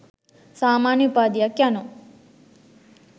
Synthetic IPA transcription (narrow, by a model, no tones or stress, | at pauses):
saːmaːnjupaːd̪ijakjano